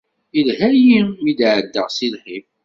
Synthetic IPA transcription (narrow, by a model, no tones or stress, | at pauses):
ilhæjiid̪ʕəd̪ːəʁsilħif